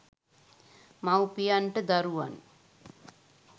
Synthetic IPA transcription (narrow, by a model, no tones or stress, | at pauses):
mawpijanʈəd̪aɾuʋan